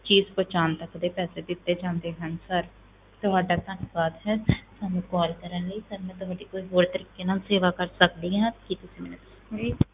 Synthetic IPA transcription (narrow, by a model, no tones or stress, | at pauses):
t͡ʃiːzpoːt͡ʃaːnt̪əkd̪eːpɛːseːd̪ɪt̪ːeːd͡ʒãːnd̪eːɦənsəɾ | t̪ʊɦaːɖaːt̪ənʊʋaːd̪ɦɛːsaːnũːkɔːlkəɾənləiːsəɾmɛ̃ːt̪ʊɦaːɖiːkoːiɦoːɽt̪əɾiːkeːnaːlseːʋaːkəɾsəkd̪iːɦãːkit̪ʊsĩːmɛːnẽt̪ː | iː